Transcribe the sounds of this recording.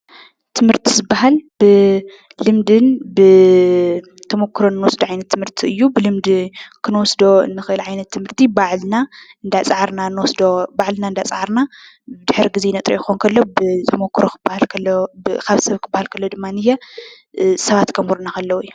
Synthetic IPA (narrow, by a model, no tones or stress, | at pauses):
t̪ʰɨmhɨɾt̪ʰizɨbːaɦalbɨ | lɨmd̪ɨnbɨ | t̪ʰɐmokʰːɾonːɨwɔsd̪oʕajnɐt̪ʰːɨmɨɾt̪ʰiɨjːubɨlɨmd̪ɨkʰɨnwɔsd̪o̞ɨ̰nːɨxɨʔɨlʕajnɐt̪ʰːɨmhɨɾt̪ʰibaʕlnaɨnd̪at͡sʼʕaɾnanːwɔsd̪obaʕlnaɨnd̪at͡sʼʕaɾna | bɨd̪ɨħɾiɡizenɐt̪ʼɾḭjɪxonkʰɐlːo̞bɨt̪ʰɐmokʰːɾokʰɨbahalkʰɐbkʰaβsɐβkʰɨbːahalkʰɐlːod̪ɨmːanɨjːɛ | sɐβat̪kʰɐmuɾnakɐlːɐwujː